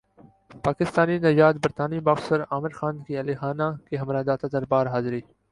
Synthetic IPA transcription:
paːkɪst̪aːninɐd͡ʒaːt̪̚bɐɾt̪aːnibaːksəɾaːmɪɾxaːnkiɐlixaːnakeɦɐmɾaːd̪aːt̪ad̪ɐɾbaːɾɦaːzɾiː

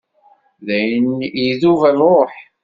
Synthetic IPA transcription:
ðæjənjiðuvælɾˤoħ

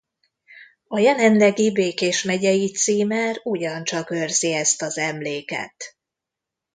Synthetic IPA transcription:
ɒjɛlɛnlɛɡibeːkeːʃmɛɟɛjit̪siːmæːruɟɒnt͡ʃɒkørz̥iɛst̪ɒzɛmleːkɛ̰t̪

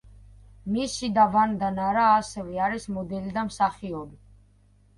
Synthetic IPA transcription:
misid̪avand̪anaɾaːsɛvɛaɾismɔd̪ɛlid̪amsaχiɔbi

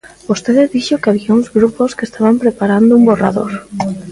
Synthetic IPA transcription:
bost̪eðɪðiʃokeaβiauŋzɣɾuposkest̪aβampɾepaɾand̪oumbora̰ðo̰ɾ

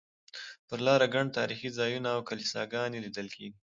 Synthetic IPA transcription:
pəɾlɑɾaɡaɳɖ̚t̪ɑɾixizɑjunaːwkalisɑ̰ɡɑnelid̪əlkʰeɡi

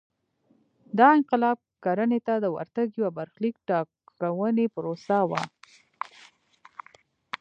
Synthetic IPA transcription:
d̪ɑɪnqɪlɑb̚kaɾənet̪ad̪əwa̰ɾt̪aɡjwabaɾxlikʈɑkawənepɾosawa̰

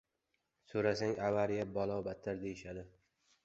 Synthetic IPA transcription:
soɾasaŋʔavaɾjabɒlˠɒwbat̪ʰːaɾd̪ejɪʃad̪ɪ

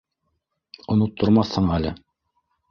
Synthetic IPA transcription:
ŏnot̪ːŏɾmɑθhɤɴælɘ̰

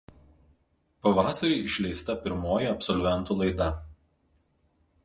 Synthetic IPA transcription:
pɐʋɑːsɐɾʲiːɪʃʲlʲɛɪst̪ɐpʲɪɾmoːjɛɐpʲsɔlʲʋʲɛnˑt̪ulˠɐɪd̪ɐ

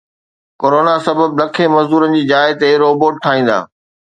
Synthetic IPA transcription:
koːɾoːnasɐbəb̚nɐkʰemɐzd̪uːɾənɪ̆d͡ʑiːd͡ʑaːɪt̪eɾoːboːʈ̚ʈʰaːĩːn̆d̪a̰ː

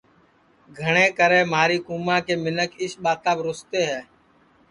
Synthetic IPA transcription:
ɡʱəɳ̃eːkəɾeːmaːɾiːkuːmãːkeːmɪnəkɪsɓaːt̪aːbɾʊst̪eːɦɛː

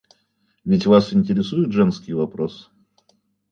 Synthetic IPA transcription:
vʲɪtʲvasɪnʲtʲɪɾʲɪsujɪt̪ʐɛnskʲɪjvɐpɾosɨ̥

